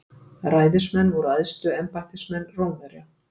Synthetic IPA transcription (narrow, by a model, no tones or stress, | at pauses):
raːjðɪ̥smɛnːvɔɾaðst̪ʏɛmpajht̪ɪsmɛnːroːwnvaɾja